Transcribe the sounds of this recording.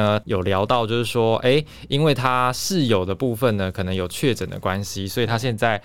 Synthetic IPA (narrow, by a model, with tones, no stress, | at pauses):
ə˧jo˨˩ʊljɑ˧˥ʊt̪ɑ˥˧ʊt͡ɕjo˥˧ʊʂɻ̩˥˩ʂwɔ˥ʔe˥˩ɪ | i˦nwe˥˩ɪt̪ʰa˦ʂɻ̩˥˨jo˨˩ʊd̪ə˩pu˥˧fə˥˨nə˩kʰɤ˨˩nɤ˧˦ŋjo˨˩ʊt͡ɕʰɥɛ˥˩ʈ͡ʂə˨˩nd̪ə̰˦kwa˦nɕi˨swɔ˧˥i˨˩t̪ʰa˦ɕjɛ˥˧nt͡sa˥˩ɪ